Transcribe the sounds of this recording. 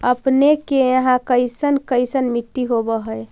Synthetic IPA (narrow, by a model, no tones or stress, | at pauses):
əpnekejəɦãkəɪsənkəɪsənmiʈ̪ːiɦobəɦəe